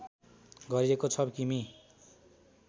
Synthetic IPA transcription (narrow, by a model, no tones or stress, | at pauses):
ɡʌɾiɾekot͡sʰʌbkimi